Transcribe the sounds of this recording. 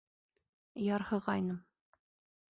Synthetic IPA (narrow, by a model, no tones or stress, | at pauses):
jɑɾhɤ̆ʁɑjnɤm